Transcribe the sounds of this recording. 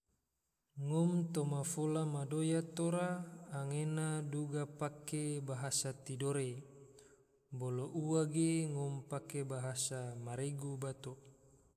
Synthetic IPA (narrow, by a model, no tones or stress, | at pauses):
ŋɔmt̪omafolamadojat̪oɾaːŋenaduɡapakebaɦasat̪idoɾe | boloʔuwaɡeŋɔmpakebaɦasamaɾeɡubat̪o